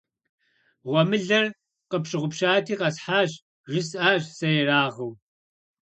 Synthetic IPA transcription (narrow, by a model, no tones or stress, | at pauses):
ʁʷɔmɨɮɐr | qəpʃɪʁʷʊpʃaːtʰiːqɐsħaːʑ | ʒɪsaːʒsɐjɛraːʁəw